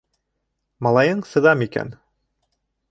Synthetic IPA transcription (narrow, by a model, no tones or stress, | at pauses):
mɑlˠɑjɤɴsɤ̆ðɑmikæ̰n